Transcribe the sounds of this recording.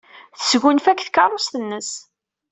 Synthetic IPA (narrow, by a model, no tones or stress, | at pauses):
θə̥sɡunfækːθkːɑɾˤost̪ənːəs